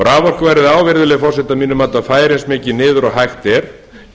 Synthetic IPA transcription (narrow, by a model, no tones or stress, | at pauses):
ɾaːvɔr̥kʏvajɾɪðaːwvɪɾðʏlɛɣfɔws̬ɛt̪amiːnʏmaːt̪afaːjɾensmɪːcɪnɪːðʏɾɔɦajxt̪ɛɾ̥